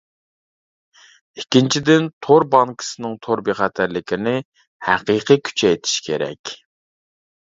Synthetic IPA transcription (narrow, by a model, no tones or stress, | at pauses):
ikʲːint͡ʃʰid̪ɪnt̪ʰoɾbɑŋkʰə̥sɨnɨŋt̪ʰoɾbeχæt̪ʰæɾlɪkʲɪnɪ | hæqiqʰikʲʰy̥t͡ʃʰɛjt̪ʰi̥ʃkʲʰḛɾɛ̰kʲ